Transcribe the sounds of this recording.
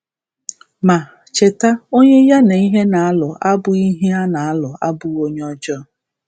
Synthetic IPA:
ma˨ | t͡ʃe˨ta˦o˦ɲe˦ja˦na˨i˦ɦe˦na˨a˦lɔ˨ʔa˦bʊ˦i˦ɦi˦a˦na˨a˦lɔ˨ʔa̰˦bʊ˨ɣo˦ɲ˦ɔ˦d͡ʒɔ˦˨

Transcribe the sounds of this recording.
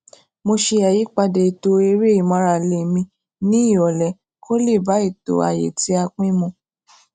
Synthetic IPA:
mo˧ʃe˧a˨ji˨˦k͡pa˧de˨i˨to˨˦e˧ɾe˦i˦˨mã˧ɾa˧˨le˨mĩ˧ | nĩ˨˦i˦˨ɔ˨lɛ˨ | kʰo˦le˦˨ba˨˦i˦˨to̰˨˦a̰˨jḛ˨ti˦a˧k͡pĩ˦mũ˧

